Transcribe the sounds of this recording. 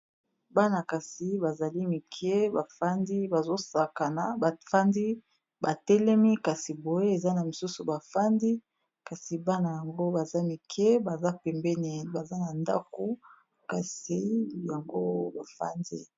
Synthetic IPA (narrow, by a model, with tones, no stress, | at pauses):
ba˦na˨ka˨si˨ba˨za˨li˦mi˨kʰɛ˦ba˨fa˦ndi˦ba˨zo˦sa˨ka˨na˨fa˦ndi˦ | ba˨tɛ˦lɛ˦mi˦ka˨si˨bo˨je˦e˨za˦na˨mi˨su˦su˨ba˨fa˦ndi˦ | ka˨si˨ba˦na˨ja˨ŋɡo˦ba˨za˦mi˨kʰɛ˦ba˨za˦pɛ˨mbɛ˦ni˨ba˨za˦na˨nda̰˦ko˦ | ka˨si˨ja˨ŋɡo˦ba˨fa̰˦ndi˦